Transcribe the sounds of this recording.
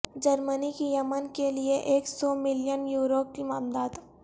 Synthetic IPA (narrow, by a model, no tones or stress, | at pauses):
d͡ʒəɾmənikijɐmənkelieʔeːksɔːmɪlɪjənjuːɾoːp̚kimaːmd̪aːd̪